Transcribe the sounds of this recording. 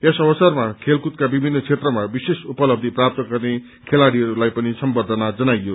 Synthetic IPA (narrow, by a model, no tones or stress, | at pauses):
esʌbʌsʌrmakʰelkut̪kabibʱinːʌt͡sʰet̪rʌmabisesupʌlʌb̚d̪ʱiprap̚t̪ʌɡʌrne | kʰelaɽiʌɾulajpʌnisʌmbʌd̪ʱʌnad͡zʌnajjo